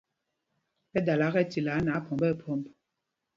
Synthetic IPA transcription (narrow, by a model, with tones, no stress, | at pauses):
pɛ˦da˨la˨˦ɣɛ˦ti˨la˨˦na˨˦pʰɔ˨mbɛ˦pʰɔ˨˦˨mb